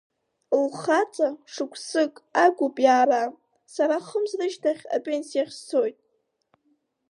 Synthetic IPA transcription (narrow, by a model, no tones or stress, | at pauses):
lχat͡sʼaʂɨkʷʰsɨkʼaɡʷʊpʼjaːɾa | saɾaχəmzrɨʃtʰaχʲa̰pʼensijaχʲst͡sʰo̞jtʼ